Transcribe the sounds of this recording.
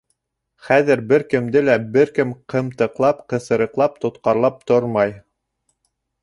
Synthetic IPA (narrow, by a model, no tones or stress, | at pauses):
χæðɘ̆ɾbɘɾkɘ̆md̪ɘlæbɘɾkɘmqʰɤ̆mt̪ɤ̆qlˠɑpqɤ̆sɤ̆ɾɤ̆qlˠɑp̚t̪ŏt̪qɑɾlˠɑp̚t̪oɾmɑj